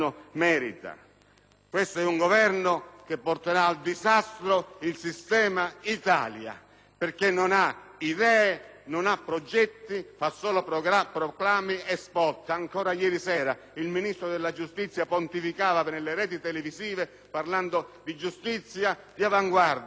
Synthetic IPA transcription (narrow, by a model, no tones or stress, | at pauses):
ʊmɛːɾit̪a̰ | kwest̪oɛuŋɡovɛrnʊkepːɔrt̪eɾaːld̪izast̪ɾoilsist̪ɛːmait̪a̰ːlja̰ | perkenːʊna | id̪ɛːe | nʊnapːɾɔd͡ʒɛt̪ːifasːɔːlopapɾɔklaːmiɛspɔt̪ːaŋkɔːɾajɛːɾisɛːɾa | ilminist̪ɾod̪elːad͡ʒust̪it̪sːjapont̪ifikaːvapnelːeɾɛːt̪it̪ɛlɪviziːve | parland̪od̪id͡ʒust̪it̪sːjad̪iavaŋɡward̪